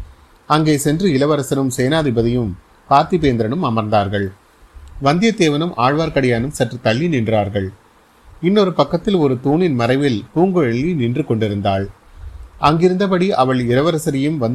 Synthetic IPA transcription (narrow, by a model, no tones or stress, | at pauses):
ɐŋɡeːsɛndrɯɪlɐʋɐɾɐsɐɾɯmseːnaːðɪbɐðɪjɯm | paːɾt̪ipeːnd̪ɾɐɳɯmɐmɐɾnd̪aːɾɣɐɭ | ʋɐnd̪ɪjɐt̪eːʋɐnɯmʔaːɻʋaːɾkɐɽɐjaːnɯmsɐʈrɯt̪ːɐɭːinɪndraːɾɣɐɭ | ɪnːɔɾɯpɐkːɐt̪ːɪlɔɾɯt̪uːnɪnmɐɾɐɪʋɪlp̪uːŋɡɯɻɛɭːinɪndrɯkɔɳɖɪɾɯnd̪aːɭ | ɐŋɡɪɾɯnd̪ɐpɐɽiʔɐʋɐɭɪɾɐʋɐɾɐsɐɾɪjɯmʋɐnd̪